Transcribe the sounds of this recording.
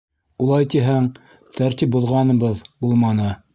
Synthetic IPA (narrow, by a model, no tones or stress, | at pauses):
ulˠɑjt̪iɦæŋ | t̪ʰæɾt̪ip̚bŏðˠʁɑnɤ̆βɤðbulˠmɑnɤ